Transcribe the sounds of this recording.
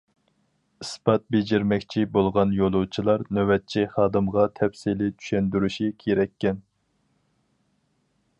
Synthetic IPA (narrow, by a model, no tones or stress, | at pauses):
ɨspɑt̪̚bed͡ʒiɾmɛkʲt͡ʃʰibolˠʁɑnjolˠut͡ʃʰilˠɑɾnøwɛt̪̚t͡ʃʰiχɑːd̪ɨmʁɑt̪ʰɛpsilɪt͡ʃ̪ʰy̥ʃɛnd̪yɾyʃikʲʰeɾɛkʲːɛn